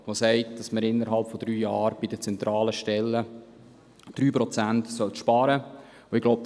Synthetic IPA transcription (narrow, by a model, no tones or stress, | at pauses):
ʋosɛɪtd̥ɑsməɾɪnːəɾɦɑlpfɔd̥ɾyːjɑːɾb̥id̥ət͡sɛnt̪ɾɑːləʃtɛlːə | d̥ɾyːpɾɔt͡sæntsœlt̪ʃpɑːɾə | oɪɡloʊp̚